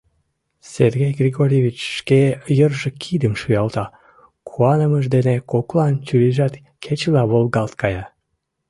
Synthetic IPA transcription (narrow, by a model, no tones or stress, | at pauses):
serɣejɡrʲeɣoɾʲeβʲit͡ɕʃkejərʒĕkʰid̪əmʃyjɑlt̪ɑ | kʰuɑnəməʒd̪enekoklɑnt͡ɕyliʒɑt̪ | kʰet͡ɕlɑβolɣɑlt̪̚kɑjɑ